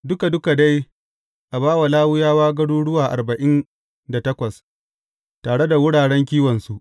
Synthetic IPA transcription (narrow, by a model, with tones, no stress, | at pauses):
dʊ˦ka˨dʊ˦ka˨da˦j | ʔa˨baː˦wa˨laː˦wʊ˦jaː˦waː˦ɡɐ˦ɽuː˦ɽʊ˦waː˨ʔa̰˨rbɐ˨ʔɪ˦n | da˨tɐ˦kʷɐ˨s | taː˨ɽe˦da˨wʊ˦ɽaː˨ɽɛ˦ŋkʲiː˦wɐ˨nsu˦ʔ